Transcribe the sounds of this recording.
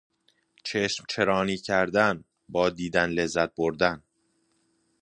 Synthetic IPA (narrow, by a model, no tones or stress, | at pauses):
t͡ʃʰeʃmt͡ʃʰe̞ɾɒːniːcʰæɾd̪æn | bɒːd̪iːd̪ænlezːæt̪̚boɾd̪æn